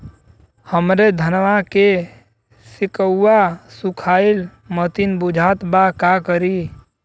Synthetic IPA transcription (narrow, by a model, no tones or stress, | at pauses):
həmɾed̪ʱənʋake | sɪkəuːasʊkʰaːɪl | mət̪inbʊd͡ʒʱaːt̪bakakəɾi